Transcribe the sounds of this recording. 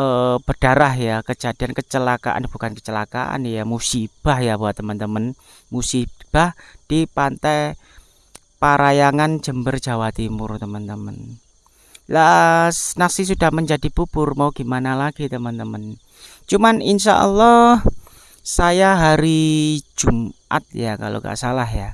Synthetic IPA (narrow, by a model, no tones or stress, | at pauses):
ʔəb̥əd̥aɾahjakəd͡ʒ̥a̤diankət͡ʃəlaka̰ʔa̰nb̥ukankə̥t͡ʃəlaka̰ʔa̰njamusib̥ahjabuaʔt̪ːəmənt̪əmən | musib̥ahd̥ipant̪aj | paɾajaŋand͡ʒəmbərd͡ʒ̥a̤wat̪imʊrt̪əmənt̪əmən | laʔnasis̬udahməɲd͡ʒadib̥ubʊrmauɡ̥imanalaɡ̥it̪əmənt̪əmən | t͡ʃumaninʃa̰ʔə̰lːɑh | sajaɦaɾi̥d͡ʒ̥umʔa̰t̪̚jaka̰lo̰ka̰ʔsalaɦja